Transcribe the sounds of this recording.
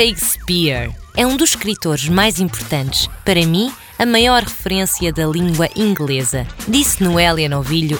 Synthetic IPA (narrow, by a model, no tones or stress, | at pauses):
ʃejʃpiɾɛũd̪uʃkɾit̪oɾʒmajzĩmpuɾt̪ɐ̃nt̪ɨ̥ʃpɐɾɐmĩ | ɐmɐjɔɾʁɨfɨɾẽsjɐðɐlˠĩŋɡwɐʔĩŋɡlˠezɐ̰d̪isnuɛlˠiɐnɔviʎu